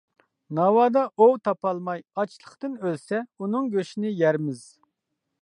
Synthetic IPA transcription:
nɑwɑːd̪ɑʔowt̪ʰɑpɑlˠmɑjɑt͡ʃʰlˠəχt̪ɨnølsɛunɨŋɡʲøʃinɪjæɾmɪz̥

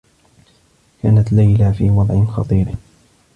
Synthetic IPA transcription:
kaːnat̪lajlafiːwɑd̪ˤʕɪnxɑ̰t̪ˤiːɾ

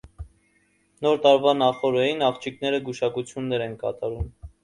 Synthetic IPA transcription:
nɔɾt̪ɑɾvɑnɑχɔɾɛinɑχt͡ʃʰiknɛɾəɡuʃɑkut͡sʰjunːɛɾɛnkɑ̰t̪ɑɾum

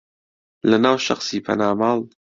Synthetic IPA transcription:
lɐnaːwʃɐ̰xsiːpʰɐ̰naːmaːlˠ

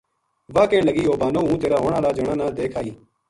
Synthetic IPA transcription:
ʋaːkẽːɳləɡiːoːbaːnoːɦũːt̪eːɾaːɦoːɳãːlaːd͡ʒəɳãːnãːd̪eːkʰaːiː

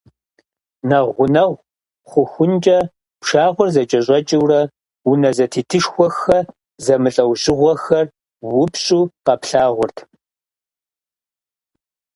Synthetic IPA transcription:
nɐʁʷʊnɐʁʷ | χʷʊxʷʊnt͡ʃʼɐ | pʂaːʁʷʊrzɐt͡ʃʼɐɕʼɔt͡ʃʼɪwrɐ | wʊnɐzɐtʰiːtʰɨʂxʷɔxɐ | zɐmɨɬʼɐwʑɪʁʷɔxɐr | wʊpɕʼuːqɐpɬaːʁʷʊrtʰ

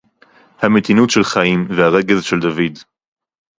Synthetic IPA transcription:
hamet̪inutʃelχaimvehaʁe̞ɡe̞zʃeld̪avid̪

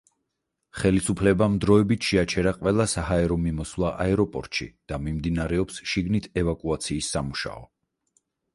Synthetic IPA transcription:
χɛlisupʰlɛbamd̪ɾɔɛbit̪ʰʃɛat͡ʃʰɛɾaqʼwɛlˠasaɦaɛɾɔmimɔsvlˠaʔaɛɾɔpʼɔ̰ɾt̪ʃḭd̪̥amimd̪inaɾɛɔpsʃiɡnit̪ʰɛvakʼuat̪sʰiːsːamuʃa̰ɔ

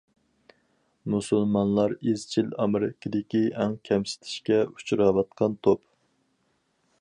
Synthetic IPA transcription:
musɨlˠmɑnlˠɑɾezt͡ʃʰilɑmɨɾɪkʲʰːid̪ɪkʲiɛŋkʲʰɛmsɪ̥t̪ʰɪ̥ʃkʲɛu̥t͡ʃʰɾɑwɑt̪̚qʰɑnt̪ʰop

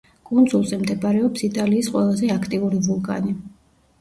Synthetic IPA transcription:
kʼund̪zulˠzɛmd̪ɛbʼaɾɛɔpsit̪ʼaliːsqʼwɛlˠazɛakʰt̪ʼiuɾivulˠkʼa̰ni

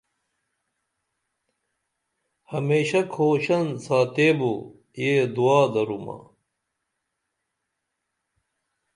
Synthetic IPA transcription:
hɐmeːɕɐkʰoːɕɐnsaːt̪eːbo | jeːd̪uaːd̪ɐɾumɐ̰

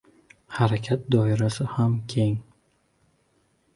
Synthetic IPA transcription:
haɾakʲʰat̪̚d̪ɒiɾasɪhamkʲʰeŋ

